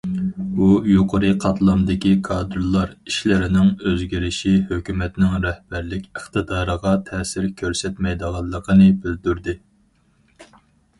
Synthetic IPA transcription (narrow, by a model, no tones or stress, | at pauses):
ujoqʰəɾɨqʰɑt̪lˠɑmd̪ɪkʲikʰɑːd̪ɾlˠːɑɾiʃlɪɾɪnɪŋøzɡʲiɾɪʃihøkʲymɛt̪nɪŋɾɛhb̥æɾlɪkʲəχt̪ɨd̪ɑːɾəʁɑt̪ʰɛːsɪɾkʲʰøɾsɛt̪mɛjd̪əʁɑlˠːəqʰənɨbyld̪yɾd̪ɪ